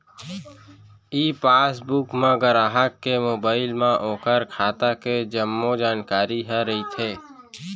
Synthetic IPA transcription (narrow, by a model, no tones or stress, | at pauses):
iːpaːsbukmẽɡəɾaːɦəkːemoːbaːɪlmẽʔɔ̃ːkəɾkʰaːt̪aked͡ʒəmːod͡ʒaːnkaːɾiɦəɾəɦit̪ʰeː